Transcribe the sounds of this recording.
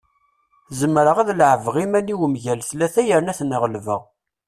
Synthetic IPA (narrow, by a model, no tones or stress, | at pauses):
zəmːɾəʁæðlʕəvʁimæniwəmʝælθlæθæjəɾnæθnəʁlvə̰ʁ